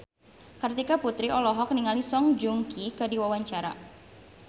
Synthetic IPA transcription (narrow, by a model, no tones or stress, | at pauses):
kərt̪ikaput̪ɾiɔlɔɦɔk̚niŋalisɔŋd͡ʒuŋkʰikədiwawaɲt͡ʃaɾa̰